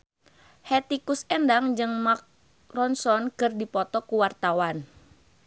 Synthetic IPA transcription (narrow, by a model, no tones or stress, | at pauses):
hɛt̪ikusɛndaŋd͡ʒɨŋmak̚ | rɔnsɔnkɨrdipɔt̪ɔkuwart̪awan